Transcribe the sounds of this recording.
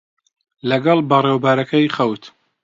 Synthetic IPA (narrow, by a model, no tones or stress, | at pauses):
lɐɡɐlˠbɐreːwbaːɾɐkɐjχɐwt̪